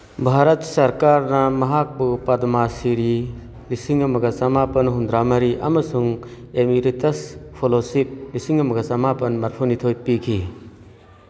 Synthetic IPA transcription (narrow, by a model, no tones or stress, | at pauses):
bʱaɾɐtsɐɾkaɾnɐmɐɦak̚bupɐdmasiɾi | lisiŋɐmɐɡɐsɐmapɐnɦund̪ɾamɐɾiʔɐ̰mɐsuŋ | emiɾitɐspʰolosip̚lisiŋɐmɐɡɐsɐmapɐnmɐɾpʰunitʰojpikʰi